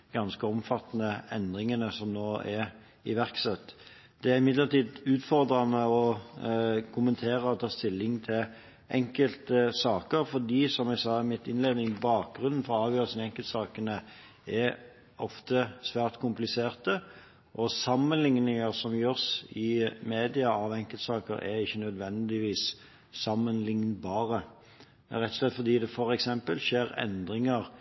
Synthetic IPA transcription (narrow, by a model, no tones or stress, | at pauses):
ɡ̥ɑnskəɔmfɑt̪ːnəɛnd̪ʁɪŋənəsɔmnoːɛɾ | ɪʋæʁksɛt̪ː | d̪̥ɛæʁɪmɪd̪ləʁt̪ʰiːd̪ʉːt̪fɔʁd̪ɾɑnəɔ | kʰʊmənt̪ʰeːɾəɔt̪ʰɑːst̪ɪlːɪŋt̪ʰɪl | ʔɛŋkəlt̪əsɑːkəɾfɔd̪iːsɔmæɪsɑːmɪt̪ːɪnleːd̪nɪŋbɑːk̚ɡɾʉnn̩fɔɾɔɑːʋjøːʁəsənɛŋkəlt̪sɑːkənə | ɛ | ʔɔft̪əsʋæːʁt̪kʰʊmplɪseːʁt̪ə | ʔɔsɑmːənlɪŋnɪŋəɾsɔmjøːʁsɪmeːd̪ɪɑɑʋɛŋkəlt̪sɑːkə̰ɾʔɛ̰ɪçːənœd̪ʋɛnd̪ɪʋiːs | sɑmːənlɪŋnbɑːɾə | mɛʁɛt̪ːɔ̥ʂlɛt̪ːfɔʁd̪iːd̪ɛfɔɾɛksɛmpəlʃeːɾɛ̰nd̪ɾɪŋəɾ